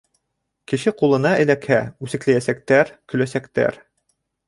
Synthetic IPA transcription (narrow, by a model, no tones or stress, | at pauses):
kɘ̆ʃɘqulˠɤ̆nɑɘ̆lækhæʉsɘ̆klæjæsæk̚t̪æɾkɵ̆læsækt̪æ̰ɾ